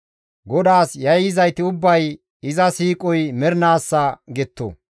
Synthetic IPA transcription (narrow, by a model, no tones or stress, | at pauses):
ɡɔd̪aːsjɐjɪzɐjt̪ɪʊbːɐj | ɪzɐsiːkʼɔjmɛɾnaːsːɐɡɛt̪ːo̰